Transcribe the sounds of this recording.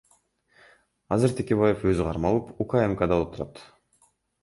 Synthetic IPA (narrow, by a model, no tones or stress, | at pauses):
ɑzɨɾt̪ʰekʲe̞βajefø̞zyqʰɑɾmɑlˠɯpukaemkad̪ɑlˠɯp̚t̪ʰuɾɑt̪